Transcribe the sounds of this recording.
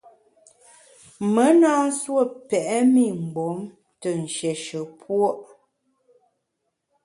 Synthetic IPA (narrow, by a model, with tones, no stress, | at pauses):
mə˨˦naː˦swə˦˨pɛ˨ʔɛ˦mi˦˨m̩˨ɡ͡bo˨˦m | tə˨n̩˨ʃjɛ˨ʃə˨pʰwo˦ʔ